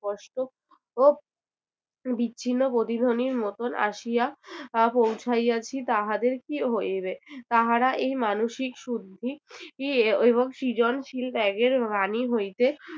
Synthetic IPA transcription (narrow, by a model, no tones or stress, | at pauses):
ɔʃʈo | o | biːɕʰinːopɾot̪id̪ʱoniɾmot̪onʔa̰ʃijapowt͡ɕʰajat͡ɕʰit̪aɦad̪eɾkiɦojbet̪aɦaɾaʔejmanoʃikʃud̪ʱikieβoŋʃid͡ʑonʃilt̪ɛɡeɾbaniɦojt̪e